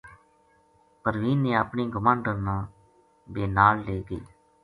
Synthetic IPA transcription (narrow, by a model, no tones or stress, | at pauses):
pəɾʋiːnẽːaːpɳiːɡʊmãːɳɖənãː | beːnaːlːeːɡeː